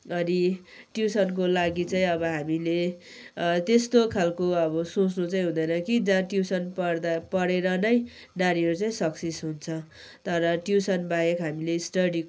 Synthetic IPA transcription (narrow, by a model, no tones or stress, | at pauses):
ʌni | ʈjusʌnk̬olaɡit͡saĩʌbʌɦamile | t̪est̪okʰalkoʌbʌsot͡snut͡saj̃ɦũnd̪ʌjnʌkid͡zãʈjusʌnpʌrd̪apʌɽeɾʌnʌj | naɾiʌɾut͡saĩsʌksesɦunt͡sʰʌ | t̪ʌɾʌʈjusʌnbajekɦamilesʈʌɽi